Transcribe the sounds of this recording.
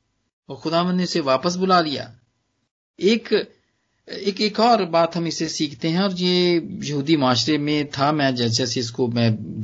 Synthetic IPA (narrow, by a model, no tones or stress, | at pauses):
ɔːɾxʊd̪aːʋə̃nd̪neʊseʋaːpəs̬bʊlaːlɪja̰ː | eːk | ɪːkeːkɔːɾbaːt̪ɦɐmɪsesiːkʰt̪eɦɛ̃ɔːɾjeːjəɦuːd̪imaːʃɾemẽt̪ʰamɛ̃ːd͡ʒɛːsɛːseɪskomɛ̃ː